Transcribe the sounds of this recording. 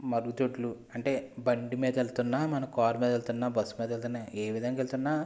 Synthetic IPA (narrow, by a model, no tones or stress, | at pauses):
mɐɾuɡut̪oʈlu | ɐɳʈe̞ːbɐɳɖimiːd̪ɐelt̪unːaːmɐnɐkaːɾmiːd̪ɐelt̪unːaːbɐsːumiːd̪ɐelt̪unːaːeːʋid̪ʱɐŋɡaelt̪unːaː